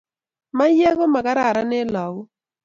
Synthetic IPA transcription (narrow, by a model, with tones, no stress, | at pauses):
ma˦jɛ˦ɣɔ˦ma˨ka˦ɾa˨ɾa˦nɪ˦la˨u˦